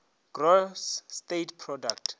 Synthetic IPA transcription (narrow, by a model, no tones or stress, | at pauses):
ɡ̥rosːtetpʰrɔdak̚tʰ